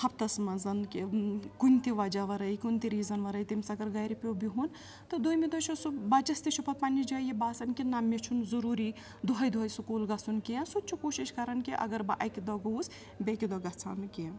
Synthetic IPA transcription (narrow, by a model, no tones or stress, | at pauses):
t̪ʰɐp̚t̪ɐsmɐzɐnkikunʲt̪iʋɐd͡ʒaʋɐɾɐjkunʲt̪iɾiːzɐnʋɐɾɐjt̪imsɐɡɐɾɡɐjɾipʲobiɦun | t̪ɐd̪oːjmed̪ɔt͡ʃʰusubɐt͡ʃɐst̪it͡ʃʰupʰɐt̪̚pɐnːid͡ʒajibaːsɐnkinamet͡ʃʰunzɐɾuːɾi | d̪uɦɐjd̪uɦɐjsukuːlɡɐsunkiɐ̃nsut͡ʃʰukoːʃiʃkɐɾɐnkiʔɐ̰ɡɐɾbɐʔɐkid̪ɔɡos | bʲekʲid̪ɔɡɐt͡sʰankiɐ